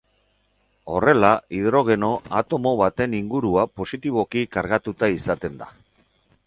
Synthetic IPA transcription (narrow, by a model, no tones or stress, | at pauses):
o̞re̞laiðɾo̞ɣ̞e̞no̞at̪o̞mo̞βat̪e̞niŋɡuɾuapo̞sit̪iβ̞o̞kikaɾɣat̪ut̪aisat̪e̞nd̪a